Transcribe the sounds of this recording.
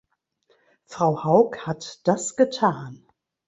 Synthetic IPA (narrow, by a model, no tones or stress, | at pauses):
fʁ̥aʊhaʊkhatd̥asɡ̥ətʰaːn